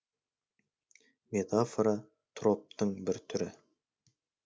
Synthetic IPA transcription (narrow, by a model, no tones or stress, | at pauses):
mʲe̞t̪ʰafoɾa | t̪ʰro̞p̚t̪əɴbɪɾt̪ʰʏɾɪ